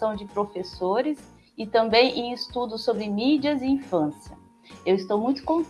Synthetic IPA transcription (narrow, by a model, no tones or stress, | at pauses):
ɐ̃w̃d͡ʒɪpɾofesoɾɪs | ɪt̪ɐ̃mbẽj̃ʔẽj̃ɪst̪ud̪ʊsobɾɪmid͡ʒɐzɪĩfɐ̃siɐ | ewɪst̪owmũj̃t̪ʊ̥kõn